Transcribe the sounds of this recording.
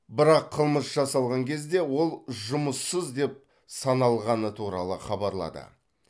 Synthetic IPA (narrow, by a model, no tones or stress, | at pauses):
bɪɾɑqʰːəlˠməsʒ̥ɑsɑlˠʁɑŋkʲʰe̞zd̪e̞wo̞lˠʒʊməsːəzd̪e̞p̚ | sɑnɑlˠʁɑnət̪ʰuɾɑ̰lˠəχɑbɑɾlˠɑ̰d̪ə̰